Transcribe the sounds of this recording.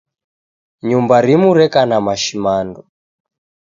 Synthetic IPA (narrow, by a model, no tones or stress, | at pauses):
ɲumbaɾimuɾɛkanamaʃimandɔ